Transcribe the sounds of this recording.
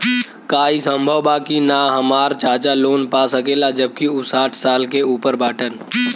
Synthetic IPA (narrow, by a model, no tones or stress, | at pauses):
kaːisə̃mbʱəʋwbaːkinaɦəmaːɾt͡ʃaːt͡ʃaloːnpasəkeːlad͡ʒəb̚kiʊsaːʈʰsaːlkeuːpəɾbaːʈən